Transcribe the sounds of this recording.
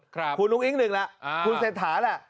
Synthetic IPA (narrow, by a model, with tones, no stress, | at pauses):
kʰkʰu˧nːu˦˥k̚ʔi˦˥ŋ̚nɯ˨˩ŋla˦˥ʔkʰu˧nseː˨˩t̪ʰːaː˩˦la˧˩ʔ